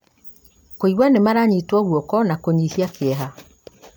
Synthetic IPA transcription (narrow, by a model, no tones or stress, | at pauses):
koiwanemaɾaɲitwɔɣwɔkɔnakoɲihiakeɛɦa